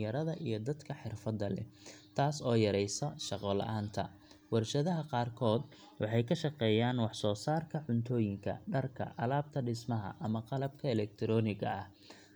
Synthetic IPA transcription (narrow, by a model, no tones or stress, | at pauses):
ɐɾɐðɐʔijɞd̪ɐd̪kʰɐħɪrfɐd̪ːɐlɛ̰t̪ʰaːsɔːjɐɾɛjsɐʃɑqɔːlɐ̰ʔaːnt̪ʰɐ | wɑrʃɐðɐɦɐqɑːrkʰɔːd̪ | wɑħɑjkʰɐʃɑqɛːjaːnwɑħsɔːsaːrkʰɐʕʊnt̪ʰɔːjɪŋkʰɐ̰ɖɐrkʰɐ̰ʔɐlaːb̚t̪ʰɐɖɪsmɐɦɐ̰ʔɐmɐqɑlɐb̚kʰɐɛlɛk̚t̪ʰɪɾɔːnɪɣɐ̰ɐh